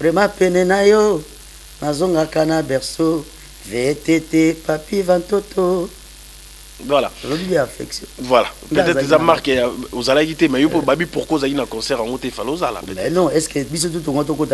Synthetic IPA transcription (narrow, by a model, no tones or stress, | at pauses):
vʁɛmãpɛnɛnajo | nazoŋɡakanabɛʁso | vetetepapivantotʰo | vwala̰olobiliafɛ̰ksjɔ̰̃vwalappøatɛtezamaʁkjaozalakitɛmɛjopebabipuʁkwozalinakɔ̃sɛʁaŋɡotɛefalozala̰ɛnɔ̃ɛskebis̬ot̬ut̬oŋɡot̬okota